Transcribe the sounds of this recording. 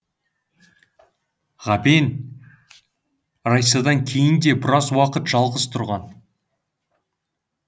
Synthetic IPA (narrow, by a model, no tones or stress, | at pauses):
ʁɑbe̞n | ɾɑjsɑd̪ɑŋkʲʰe̞jɪnd̪e̞bɪɾɑzwɑqət̪ʒ̥ɑlˠʁəzt̪ʰʊɾʁɑn